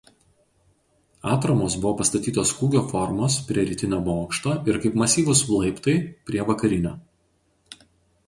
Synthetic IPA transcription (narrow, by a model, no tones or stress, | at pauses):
ɑːt̪ɾɐmoːsbʊʋoːpɐst̪ɐt̪ʲiːt̪oːskuːɡʲoːfɔɾmoːspʲɾʲiɛɾʲɪt̪ʲɪnʲoːboːkʃt̪oːʔɪɾkɐɪpmɐsʲiːʋʊslˠɐɪpt̪ɐɪpʲɾʲiɛʋɐkɐɾʲɪnʲoː